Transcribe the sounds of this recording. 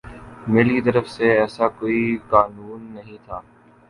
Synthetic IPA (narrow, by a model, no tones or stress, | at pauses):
meːlkit̪əɾəfseːɛːsaːkoːiːkaːnuːnːəɦĩt̪ʰaː